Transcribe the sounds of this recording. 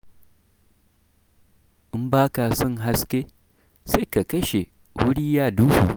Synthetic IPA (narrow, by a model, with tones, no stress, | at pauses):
ʔɪ˦mbaː˦ka˨sɔ˦˨ŋɦa˦skʲe˦ | se˦ka˨kɐ˦ʃe˨ | wʊ˦ɽiː˦jaː˦duː˦huː˨